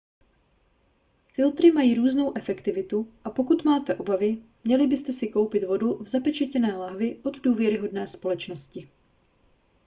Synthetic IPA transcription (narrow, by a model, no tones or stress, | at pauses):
fɪlt̪ɾɪmajiːɾuːzno̞wʔɛfɛkt̪ɪvɪt̪uʔapo̞kut̪maːt̪ɛʔo̞bavɪmɲɛlɪbɪst̪ɛsɪko̞wpɪt̪vo̞duvzapɛt͡ʃɛcɛnɛːlaɦvɪʔo̞d̪duːvjɛɾɪɦo̞dnɛːspo̞lɛt͡ʃno̞scɪ